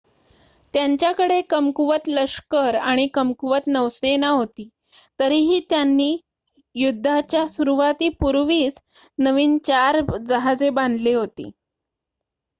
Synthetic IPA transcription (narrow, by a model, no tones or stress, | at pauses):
t̪jaɲt͡ɕjakəɽekəmkuʋət̪ləʂkəɾaɽ̃ikəmkuʋət̪nəʋsenaɦot̪iː | t̪əɾiɦiːt̪janːiː | jud̪ʱːat͡ɕjasuɾuʋat̪iːpuɾʋiːt͡s | nəʋiːnt͡ɕaɾd͡zəɦad͡zebãnd̪liɦot̪ḭː